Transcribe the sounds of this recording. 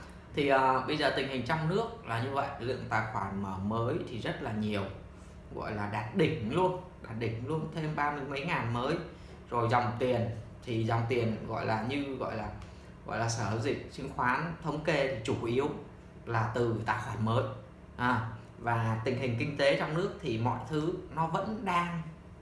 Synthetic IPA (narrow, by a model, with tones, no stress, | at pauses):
t̪ʰi˨˩ʔəː˨˩ɓə˧jzəː˨˩t̪ï˨˩ŋ̟hï˨˩ŋ̟t͡ɕɔ˧wŋ͡mnɨ˦˥ək̚laː˨˩ɲɨ˧və̰˧˨jlɨ̰˧˨əŋt̪a̰ː˧˨jxwaː˧˩nməː˧˩məː˨˦jt̪ʰi˨˩zə˦˥t̚laː˨˩ɲi˨˩əw | ɣɔ̰˧˨jlaː˨˩ɗaː˨˩t̚ɗï˧˩ŋ̟lu˧ən | ɗaː˨˩t̚ɗï˧˩ŋ̟lu˧ənt̪ʰe˧mɓaː˧mɨ˧əjmə˨˦jŋaː˨˩nməː˨˦j | zo˨˩jzɔ˨˩wŋ͡mt̪i˨˩ən | t̪ʰi˨˩zɔ˨˩wŋ͡mt̪i˨˩ənɣɔ̰˧˨jlaː˨˩ɲɨ˧ɣɔ̰˧˨jlaː˨˩ | ɣɔ̰˧˨jlaː˨˩səː˧˩˧zï˨˩k̚t͡ɕï˨˦ŋxwaː˨˦nt̪ʰə˨˦wŋ͡mke˧t̪ʰi˨˩t͡ɕu˧˩ʔi˨˦əw | laː˨˩t̪ɨ˨˩t̪a̰ː˧˨jxwaː˧˩nməː˨˦j | ʔaː˨˩ | vaː˨˩t̪ï˨˩ŋ̟ɦï˨˩ŋ̟kï˧ŋ̟t̪e˨˦t͡ɕɔ˧wŋ͡mnɨ˦˥ək̚t̪ʰi˨˩mɔ̰˧˨jt̪ʰɨ˨˦nɔ˨˦və̰˧˥nɗaː˧ŋ